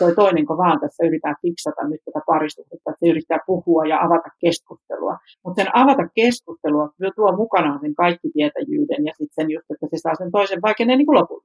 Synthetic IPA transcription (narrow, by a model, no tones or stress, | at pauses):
toit̪oineŋkoʋɑːnt̪æsːæyrit̪æːfiksɑt̪ɑ̰nnyt̪t̪ːæt̪æpɑrist̪uhest̪ːɑet̪seyrit̪ːæːpuhuɑjɑɑʋɑt̪ɑkkeskust̪ḛlṵɑ̰ | mut̪senɑʋɑt̪ɑkkeskust̪eluɑkyøt̪uomukɑnɑːnseŋkɑikːit̪iæt̪æ̰jy̰ːdenjɑsit̪senjust̪ːet̪ːæsesɑːsent̪oiseʋʋɑikenːeːniːkulopul